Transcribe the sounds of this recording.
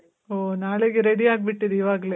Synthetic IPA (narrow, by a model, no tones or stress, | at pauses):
oːnaːɭeɡeɾeɽiaːɡ̚biʈːid̪eiʋaːɡle